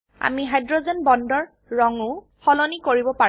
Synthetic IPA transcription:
a̰miɦajdɹɔzɛnbɔndɔɹ | ɹɔŋʊ | xɔlɔnikoɹibɔpa

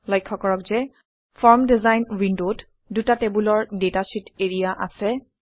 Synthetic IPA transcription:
lɔjkʰːɔkɔɹɔkzɛ | fʰɔɹmdizajnɹindot | dutatɛbulɔɹdetasiteɹijaʔa̰sɛ

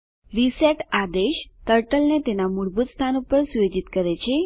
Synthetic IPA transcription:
ʋiseʈad̪eʃt̪əɾʈəlnet̪enamuɭbut̪st̪ʰanupəɾsed͡ʒit̪kəɾet͡ʃʰe

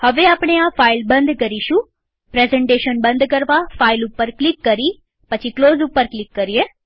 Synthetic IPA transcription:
həʋeaːpɳ̃eãpʰaːɪlbɐ̃nd̪kəɾiʃũ | pɾɛːzɛ̃ɳʈeːʃənbɐ̃nd̪kəɾʋapʰaːɪlʊpːəɾklɪkːəɾiː | pɐt͡ʃʰikloːzʊpːəɾklɪkːəɾie

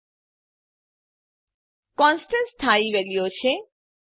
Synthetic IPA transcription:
kɔnsʈənst̪ʰaibelijot͡ɕʰe

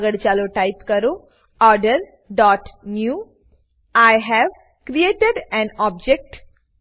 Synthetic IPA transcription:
ɡəɽt͡ɕaloʈajpkəɾo | ɔɾɖəɾ | ɖɔʈnju | ajɦɛʋ | kɾieʈeɖɛ̃nɔb̚d͡ʑek̚ʈ

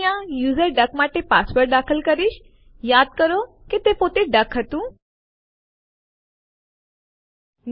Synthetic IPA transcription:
jãjuːzəɾɖəkmaːʈepaːsʋəɾd̪aːkʰəlkəɾiʃ | jaːd̪̚kəɾo | ket̪epoːt̪eɖɐkʰɦət̪ũː | n

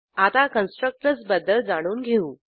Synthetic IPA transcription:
at̪akənsʈɾək̚ʈɾət͡sbəd̪ːəld͡zaɽ̃uːnɡʱeuː

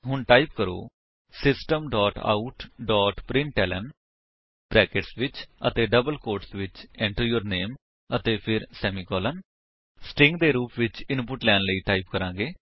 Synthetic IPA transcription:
ɦʊɳʈaːip̚kəɾo̰ː | sɪsʈəmɖɔːʈa̰ːuʈɖɔːʈpɾɪɳʈɛːlə̰n | b̥ɾɛːkeʈsʋɪt͡ʃə̰t̪eːɖəbəlkoːɾʈsʋɪt͡ʃɛ̃ːɳʈəɾjəːɾneːm | ət̪eːpʰɪɾsɛːmiːkɔːlən | sʈɪ̃ŋɡ̚d̪eːɾuːpʋɪt͡ʃɪnpʊʈlɛːnləiːʈaːip̚kəɾãːɡeː

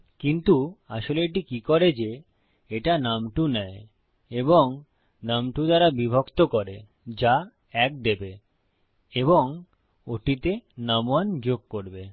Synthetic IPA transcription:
kint̪uaʃoleeʈ̬ikikoɾed͡ʑe | eʈanamʈunɛ | eboŋ | namʈud̪aɾabibʱokt̪okoɾe | d͡ʑa | ɛk̚d̪ebe | eβoŋ | oʈit̪enamoand͡ʑoɡ̚koɾbe

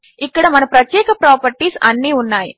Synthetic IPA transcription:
ikːɐɽɐmɐnɐpɾɐt̪jeːkɐpɾapəɾʈiːsɐ̰nːiɦunːaːj

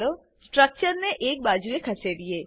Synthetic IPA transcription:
ɾo | sʈɾək̚t͡ʃəɾneʔek̚bad͡ʒuekʰəseʋie

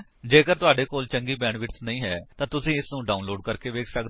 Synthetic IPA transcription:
d͡ʒeːkəɾt̪ʊaːɖeːkoːlt͡ʃəŋɡiːbɛ̃ːɳʋɪʈsnəĩːɦɛːt̪ãːt̪ʊsĩːɪsnũːɖaːunloːɖkəɾkeːʋeːkʰsəkd̪

